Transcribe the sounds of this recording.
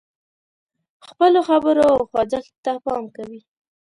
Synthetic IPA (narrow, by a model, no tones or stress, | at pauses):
xpəloxabəɾoxwad͡zakt̪apɑmkawi